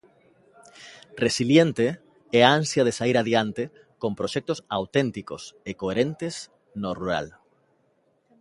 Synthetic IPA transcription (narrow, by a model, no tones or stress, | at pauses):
resiljent̪e | ɛãnsjað̞esaiɾaðjant̪e | kõmpɾoʃɛk̚t̪osawt̪ent̪ikosekoeɾent̪es | noruɾa̰l